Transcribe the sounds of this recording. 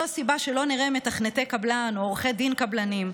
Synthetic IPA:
asibaʃelo̞niʁeme̞taχnet̪e̞kablanoːʁχed̪inkablanim

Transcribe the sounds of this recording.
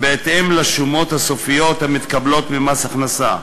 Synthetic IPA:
beːt̪hemlaʃumo̞t̪haso̞fijo̞t̪hamit̪kablo̞t̪mimasaχnasa

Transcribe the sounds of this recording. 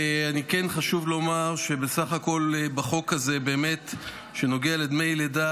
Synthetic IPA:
anikenχaʃuvlo̞maʁʃebesaχako̞lbaχo̞kazebe̞ːmet | ʃeno̞ɡealed̪mejleda

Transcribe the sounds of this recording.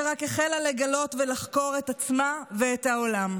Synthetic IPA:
ʁakeχelale̞ɡalo̞tvelaχko̞ʁetat͡smaveethaolam

